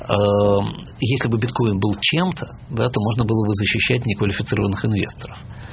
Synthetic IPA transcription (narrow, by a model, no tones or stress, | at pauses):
ə | jesʲlʲɪbɨbʲɪt̪ko̞jɪnbɨlˠt͡ɕe̞mt̪ʰə | d̪at̪o̞mo̞ʐnəbɨlˠəbɨzəɕːɪɕːætʲnʲɪkvəlʲɪfʲɪt̪sɨɾəvənːɨxɨnvʲe̞̰st̪əɾəf